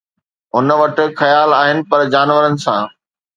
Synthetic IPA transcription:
ɦʊn̆ʋɐʈɪ̆xɐjaːlaːɦɪnɪ̆pɐɾd͡ʑaːnʋəɾənɪ̆sã̰ː

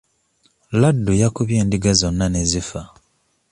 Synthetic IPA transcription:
ladːujakuβjeːndiɡazo̞nːane̞zifa

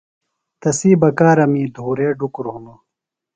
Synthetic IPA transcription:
t̪ɐsiːbɐkaːɾɐmiːd̪ʱuːɾeːɖukɾumo

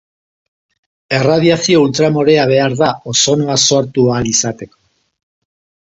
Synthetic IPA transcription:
e̞rað̞iasio̞ult̪ɾamo̞ɾe̞aβ̞e̞aɾðao̞so̞noaso̞ɾt̪ualisat̪e̞ko

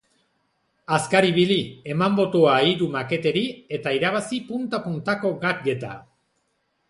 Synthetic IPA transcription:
askaɾiβ̞ilie̞mambo̞t̪oaiɾumake̞t̪e̞ɾie̞t̪aiɾaβasipunt̪apunt̪ako̞ɡakɡe̞t̪a̰

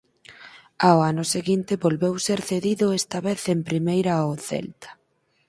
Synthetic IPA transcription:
aoanʊseɣint̪ɪβolβewseɾθeðiðʊɛst̪aβeθempɾimejɾaoθḛlt̪ḁ

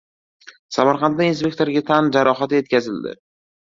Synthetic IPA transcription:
samaɾqɑnːainspʲe̞k̚ʲt̪ʰo̞ɾɡʲat̪ʰand͡ʒaɾɒχat̪je̞t̪̚kʲʰazɪld̪ɪ̰

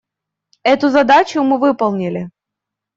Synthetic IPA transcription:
ɛt̪ʊzɐd̪at͡ɕʊmɨvɨpəlˠnʲɪlʲɪ

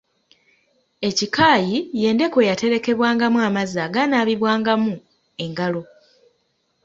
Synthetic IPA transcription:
e̞cikaːjije̞ːnde̞ko̞jate̞ɾe̞ke̞βwaːŋɡamuamazaːɡanaːβiβwaːŋɡamu | e̞ŋɡalo̞

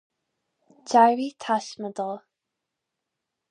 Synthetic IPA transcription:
d͡ʒaɹitʰaʃməd̪əlˠ

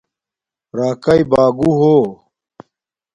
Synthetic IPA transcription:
ɾaːkɐibaːɡuɦoː

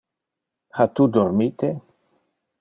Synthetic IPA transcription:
hat̪ud̪oɾmit̪e

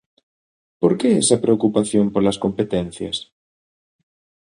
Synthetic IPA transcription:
poɾkeɛsɐpɾeokupaθjompoɾlɐskompet̪en̟θjɐ̰s

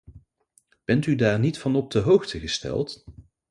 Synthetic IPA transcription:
b̥ɛntydaːɹnitfɑnɔp̚dəɦowxtʰəχəstɛ̰lˠt

